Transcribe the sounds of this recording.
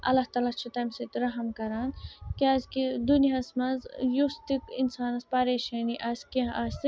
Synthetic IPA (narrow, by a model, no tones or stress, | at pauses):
ɐ̰lːɐht̪aːlat͡ʃʰut̪ɐmsit̪ɾɐɦɐmkɐɾaːnkiɐzkid̪uniɦɐsmɐzjust̪ikḭnsaːnɐspɐɾeːʃɐːniʔɐskeɐs